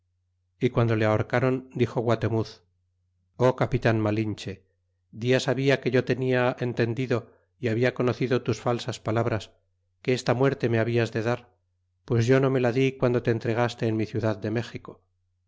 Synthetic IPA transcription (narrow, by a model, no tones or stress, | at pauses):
ikwand̪o̞leaoɾkaɾo̞nd̪ixo̞ɣwat̪e̞muθ | o̞kapit̪anmalint͡ʃe̞ | d̪iasaβiakeʝo̞t̪e̞niae̞nt̪e̞nd̪iðo̞ | iaβiako̞no̞θiðo̞t̪usfalsaspalaβ̞ɾas | ke̞est̪amwe̞ɾt̪e̞me̞aβiazðeðaɾ | pwe̞zʝo̞no̞me̞laðikwand̪ot̪eːnt̪ɾe̞ɣ̞ast̪e̞ːnmiθjuðaðːe̞me̞xiko̞